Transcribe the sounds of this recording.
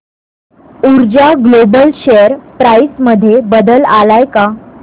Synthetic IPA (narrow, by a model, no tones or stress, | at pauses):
uɾd͡ʑaɡlobəlɕejəɾpɾajsməd̪ʱːjebəd̪əlalajka